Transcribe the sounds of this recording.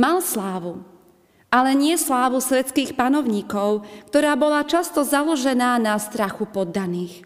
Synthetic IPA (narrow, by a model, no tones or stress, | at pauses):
malslaːʋu | ʔalɛɲɪɛslaːʋusʋɛt̪t͡skiːxpanɔʊɲiːkɔʊkt̪ɔɾaːbɔlat͡ʃast̪ɔzalɔʒɛnaːnast̪ɾaxupɔd̪ːaniːx